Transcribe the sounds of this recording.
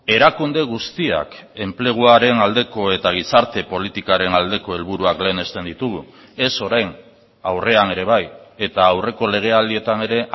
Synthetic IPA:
e̞ɾakund̪e̞ɣ̞ust̪ia̰ke̞mple̞ɣ̞uaɾe̞nald̪e̞ko̞e̞t̪aɣ̞isaɾt̪e̞po̞lit̪ikaɾe̞nald̪e̞ko̞e̞lβ̞uɾuakle̞ːne̞st̪e̞nd̪it̪uɣu | e̞so̞ɾajn | awre̞ane̞ɾe̞β̞aje̞t̪aːwre̞ko̞le̞ɣ̞e̞ald̪ie̞t̪ane̞ɾe̞

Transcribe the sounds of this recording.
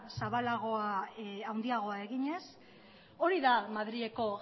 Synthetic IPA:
saβalaɣ̞o̞aawnd̪iaɣ̞o̞ae̞ɣiɲe̞s | o̞ɾiðamaðɾie̞ko̞ɣ

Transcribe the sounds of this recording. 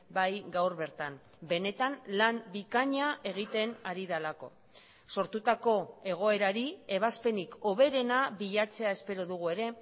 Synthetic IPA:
bajɡawɾβe̞ɾt̪am | be̞ne̞t̪anlambikaɲaʔe̞ɣ̞it̪e̞naɾiðalako̞̰ | so̞ɾt̪ut̪ako̞e̞ɣ̞o̞e̞ɾaɾie̞βaspe̞niko̞βe̞ɾe̞naβiʎat͡se̞ae̞spe̞ɾoðuɣ̞ue̞ɾe̞

